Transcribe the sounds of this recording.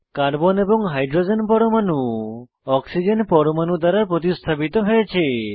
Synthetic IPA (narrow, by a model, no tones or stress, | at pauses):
kaɾbɔnebɔŋɦajɖɾod͡ʒenpɔɾomanu | ɔksid͡ʒenpɔɾomanud̪ʱwaɾapɾɔt̪̬ist̪ʰapit̪ɔɦɔet͡ʃʰe